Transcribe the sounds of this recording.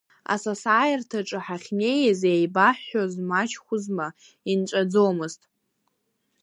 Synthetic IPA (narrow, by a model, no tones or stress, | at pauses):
a̰sasaːjartʰaʈ͡ʂʼɨħaχʲnʲe̞jazejbaħːozmat͡ʃʰχʷʊzma | inʈ͡ʂʷʼad͡zowmɨztʼ